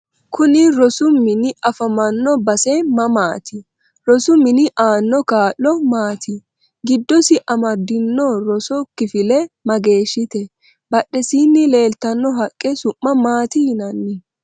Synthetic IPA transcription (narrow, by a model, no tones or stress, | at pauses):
kʊnɪɾɔsʊmːɪnɪɐfɐmɐnːɔbɐsɛmɐmaːt̪ɪ | ɾɔsʊmːɪnɪʔaːnːɔkaːlːɔmaːt̪ɪ | ɡɪd̪ːɔsɪʔɐmɐd̪ːɪnːɔɾɔsɔkːɪfɪlɛmɐɡe̞ːʃːɪt̪ɛ | bɐɗːɛsiːnːɪle̞ːlt̪ɐnːɔɦɐkʼːɛsʊʔːɐmaːt̪ɪhɪnɐnːɪ